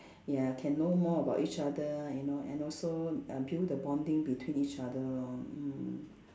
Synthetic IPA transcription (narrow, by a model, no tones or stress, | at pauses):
jakʰɛ̃nːomɔəbaʊtit͡ʃadəjunoɛ̰̃nɔlsoʌbjudəbãndĩŋbitʰwĩnit͡ʃadə